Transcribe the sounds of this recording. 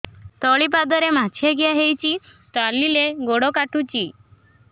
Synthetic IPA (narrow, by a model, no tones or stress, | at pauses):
t̪ɔɭipad̪əɾemat͡ɕʰeɡjaɦejt͡ɕi | t̪alːileɡoɽɔkaʈʰut͡ɕi